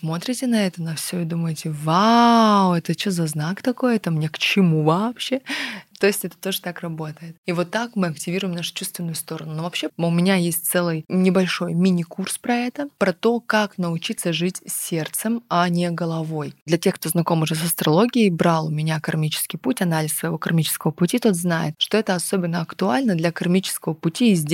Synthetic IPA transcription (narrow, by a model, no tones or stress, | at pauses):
smo̞t̪ɾʲɪtʲɪnɐɛt̪ənɐfsʲoɪd̪uməjɪtʲɪvawɛt̪ət͡ɕozɐznakt̪ɐko̞jɛt̪əmnʲekt͡ɕɪmuvɐpɕːe̞t̪ːo̞jɪsʲtʲɛt̪ə̥t̪o̞ʐət̪akrɐbo̞t̪əjɪt̪ivo̞t̪ːakmɨɐktʲɪvʲiɾʊjɪmnaʂʊ̥t͡ɕust̪vʲɪnːʊjʊst̪o̞ɾənʊnovɐpɕːeʊmʲɪnʲajesʲt̚ʲt̪sɛlˠɨjnʲɪbɐlʲʂo̞jmʲinʲɪkurspɾɐɛt̪əpɾɐt̪o̞kaknəʊt͡ɕit̪səʐɨtʲsʲːe̞rt̪sɨmɐnʲeɡəlˠɐvo̞jd̪lʲɐtʲexkt̪oznɐko̞mʊʐɛsəst̪ɾɐlˠo̞ɡʲɪjəbɾalˠʊmʲɪnʲakɐrmʲit͡ɕɪ̥skʲɪjputʲɐnalʲɪsːvəjɪvo̞kɐrmʲit͡ɕɪ̥skəvəpʊtʲit̪o̞t̪znajɪ̰t̪ʂt̪o̞ɛt̪əɐso̞bʲɪnːəɐkt̪ʊa̰lʲnəd̪lʲɐkɐrmʲit͡ɕɪ̥skəvəpʊtʲiːzʲdʲ